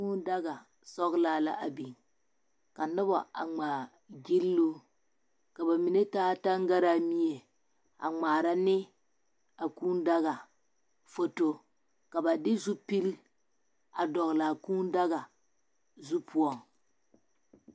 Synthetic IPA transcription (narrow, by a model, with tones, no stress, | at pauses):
uː˦n˦da˦ɡa˨ | sɔ˦ɣla˦la̰˦˨ʔa˨bi˨ŋ | ka˨nɨ˦bɔ˨a̰˨ŋ͡maː˨ | ɡi˦llu˦ | ka˨ba˨mi˨ne˦taː˦ta˦ŋɡa˦ɾa˦mi˦e˨ | a̰˨ŋ͡maː˨ɾa˦nɪ˦ | a˨kuː˦n˦da˦ɣa˨ | fo˨to˦ | ka˨ba˨dɪ˦zu˦pi˦ɾi˦ | a˨dɔ˨ɣla˨kuː˦n˦da˦ɣa˨ | zu˦pʰu˦ɔ˦ŋ